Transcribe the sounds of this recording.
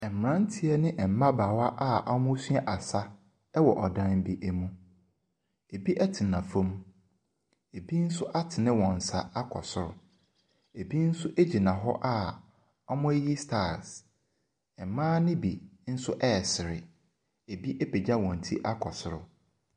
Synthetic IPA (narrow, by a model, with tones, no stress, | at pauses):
ɛ˨m̩˨m˨ɾã˦n̩˦tʰi˦ɛ˦nɪ̃˦ʔɛ˨m̩˨˦mã˦baː˨wa˦ʔa˦ʔa˦mʊ̃˦sɥɛ˦ʔa˨sa˦ | ɛ˦wɔ˨ʔɔ˨dã˦n˦bi˦ʔɛ˦mũ˦ | e˨bi˦ʔɛ˦tʰɪ˨nã˨fõ˦m | e˨bi˦n̩˦sʊ˦ʔa˦tʰɪ˨nɪ̃˦wɔ̃˨n̩˨sa˨a˦kʰɔ̰˨sʊ˨ɾʊ˨ | e˨bi˦n̩˦sʊ˦ʔe˦d͡ʑi˨nã˨ɦɔ̰˦ʔa˦˨ | ɔ˦mʊ̃˦e˦ji˦stʰa˦˨ɾs | ɛ˨mãː˦nɪ̃˦bi˨n̩˦sʊ˦ʔɛː˦˨sɪ˨ɾɪ˨ | e˨bi˦ʔe˦pʰe˨d͡ʑa˦wɔ̃˨n̩˨tʰi˦ʔa˦kʰɔ˨sʊ˨ɾʊ̰˨